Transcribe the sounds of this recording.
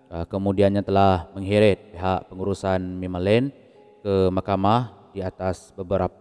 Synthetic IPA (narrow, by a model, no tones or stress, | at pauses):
əkəmudianɲat̪əlahməŋɦiɾɪt̪̚piɦaʔpəŋuɾusanmimalɛn | kəmahkamah | diat̪asbəbəɾapa